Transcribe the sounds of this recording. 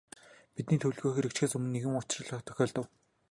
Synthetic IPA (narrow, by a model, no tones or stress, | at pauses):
pit̪niːt̪ʰɵwɮɣoːxeɾɘ̆kt͡ɕxeːsɵmɘ̆nːeɣɘ̆mʊt͡ɕrə̆ɮ̆t̪ʰœ̥xʲɔːɮt̪ə̆w